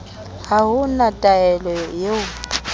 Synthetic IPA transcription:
haɦʊnatʼaɛlɔjeʊ

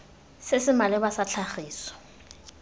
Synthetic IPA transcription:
sɪsɪmalɛbasat͡ɬʰaχiːsɔ̥

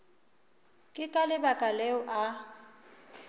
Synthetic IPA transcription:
kʼɪkʼalɪbakʼalɛʊʔa

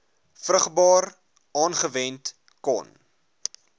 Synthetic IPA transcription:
frəχbɑːr | ʔɑːnχəvɛnt | kɔ̰n

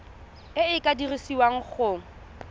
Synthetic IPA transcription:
ɪɪkʼadirisiwaŋ̩k͡xʊːŋ̩

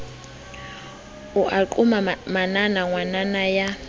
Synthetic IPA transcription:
uʔaǃʼumamananaŋwananaja

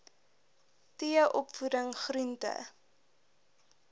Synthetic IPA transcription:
tiəʔɔpfudəŋχɾuntə̰

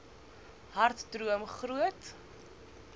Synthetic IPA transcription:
ɦɐrtdruəmχruət

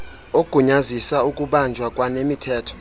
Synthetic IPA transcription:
oɡ̥ʱuɲazisaukʼuɓand͡ʒʱwakʼwanemitʰɛːtʰɔ̥

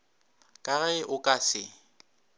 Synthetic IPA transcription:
kʼaɣɛʔʊkʼasɪ

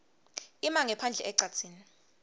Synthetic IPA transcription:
imaŋɛpʰand͡ɮʱɛʔɛǀat͡sʰiːni

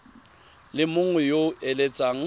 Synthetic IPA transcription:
lɪmʊŋwɛjoɛlet͡sʼaŋ̩

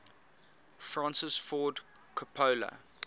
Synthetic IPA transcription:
fɹãnsɪsfɔːd | kʰəpʰəːlə̰

